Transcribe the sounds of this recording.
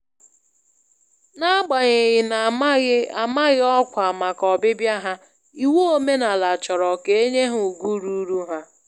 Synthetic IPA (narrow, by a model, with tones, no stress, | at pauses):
na˦a˦ɡ͡ba˨ɲɪ˨ɣɪ˨na˨˦a˨ma˦ɣɪ˦ɔ˦kʷa˨ma˨kɔ˨bɪ˦bja˦ɦa˦ | i˨wo˦o˦me˦na˨la˨t͡ʃɔ˨ɾɔ˨ke˨e˦ɲe˦ɦʊ˨ɡu˦ɾu˦ɾu˦ɦa˦